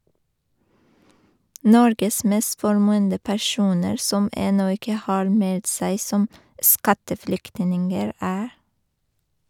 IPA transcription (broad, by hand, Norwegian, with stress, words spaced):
ˈnɔɾɡəs ˈmeːst fɔɾˈmʉːəndə pæˈʃuːnəɾ ˈsɔm ˈɛnɔ ˈɪkə ˈhɑːɾ ˈmɛlt ˈsæɪ ˈsɔm ˈskɑtəˌfɽʏktnɪŋəɹ ˈæː